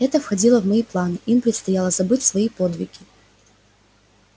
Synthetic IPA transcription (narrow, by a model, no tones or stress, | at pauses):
ɛt̪əfxɐdʲilˠəvmɐiplˠanɨʔimpɾʲɪt̪st̪ɐjalˠəzɐbɨtʲsvɐipod̪vʲɪ̰ɡʲɪ